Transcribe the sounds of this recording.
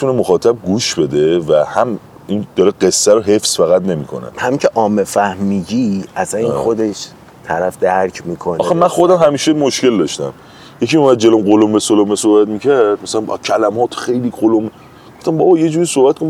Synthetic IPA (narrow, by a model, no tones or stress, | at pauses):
et̪ʰunemoxɒːt̪ʰæb̚ɡuːʃbe̞d̪e̞væhæm | ind̪̥ɒːɾeɢe̞sːæɾoɦe̞fsfæɣæt̪ne̞miːkʰo̰nḛhæmicʰeʔɒːmefæhmiːɟiæsænixo̞d̪e̞ʃ | t̪ʰæɾæfd̪æɾcʰmikʰonɒxemænxo̞d̪æmɦæmiːʃemoʃke̞ld̪ɒʃt̪æ̰m | jecʰimumæd̪̚d͡ʒelomɢolombesolomesohbæt̪micʰæɾɾd̪mæsælæm̰cʰælæmɒːt̪ʰxejliːɡolome | ɡɡoft̪æmbɒbɒːje̞d͡ʒuːɾiːsohbæt̪kʰon